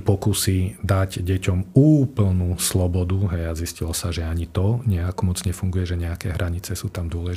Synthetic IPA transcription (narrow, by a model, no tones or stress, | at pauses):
pɔkusiːd̪aɟɟɛcɔmuːpl̩nuslɔbɔd̪uɦɛjaziscilɔsaʒɛaɲit̪ɔɲɛakɔmɔd͡zɲɛfuŋɡujɛʒɛɲɛakɛɦɾʔaɲit͡sɛsuːt̪amd̪ʊɔlɛʒ